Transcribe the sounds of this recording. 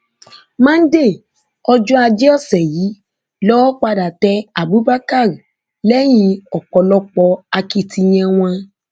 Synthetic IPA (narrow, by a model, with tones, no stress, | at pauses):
mãː˦n̩˦de˦˨ | ɔ˧d͡ʒu˦a˧d͡ʒe˦ɔ˦˨sɛ˨ji˨˦ | lɔ˦wɔ˦k͡pa˧da˨tɛ˧˦a˨bu˨˦ba˦ka˦˨ɾi˨ | lɛ˦j̃ĩ˧ɔ˨k͡pɔ˧lɔ˧k͡pɔ˧a˧ki˧ti˧j̃ɛ̃˧w̃ã˧